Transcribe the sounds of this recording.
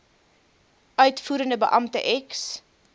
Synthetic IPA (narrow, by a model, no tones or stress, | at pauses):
œɥtfuːɾəndəbə̰ʔɐmtə̰ʔɛks